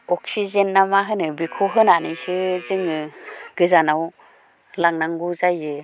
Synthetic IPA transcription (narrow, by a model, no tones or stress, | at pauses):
ɔksizenːamaɦɯnɯbikʰuɦɯnanɯsɯzɯŋɯɡɯzanaw | laŋnaŋɡuzajɯ